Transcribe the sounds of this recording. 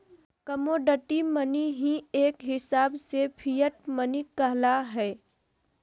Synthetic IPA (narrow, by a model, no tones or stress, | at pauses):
kəmoːɖəʈiməniɦĩeːkɦɪsaːbsepʰijəʈ̚mənikəɦlaɦɛː